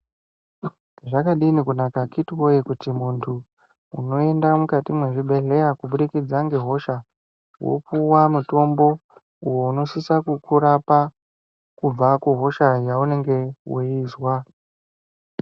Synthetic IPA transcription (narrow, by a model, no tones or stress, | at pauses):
ʐakaɗinikunakakitwojekutimuntʰu | uno̞e̞ndamukatimweʐibʱe̞ɮe̞jakuɓuɗikid͡zaŋɡe̞ɦo̞ʃa | wo̰puwamuto̞mbo̞ | ujo̞uno̞sisakukuɾapa | kub͡vakuɦo̞ʃajaune̞ŋɡe̞woiswa